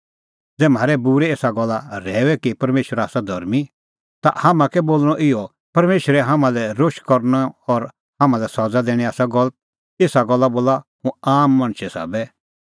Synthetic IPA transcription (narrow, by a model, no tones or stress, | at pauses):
d͡zɛːm̤aːɾɛbuːɾɛeːsaɡɔlːaɾɛːwɛkipɐɾmeːʃwəɾaːsad̪ʱɔɾmi | t̪a̰hamãkɛboːlñɔʔɪjɔ | pɐɾmeːʃɾɛɦamãlɛɾoʃkɔɾnaɔɾ | ɦãmãlɛsɔd͡zad̪ɛːɽ̃iaːsaɡɔlət̪̚ | eːsaɡɔlːaboːlahũaːmːɐɽ̃ʃɛsa̰ːbɛ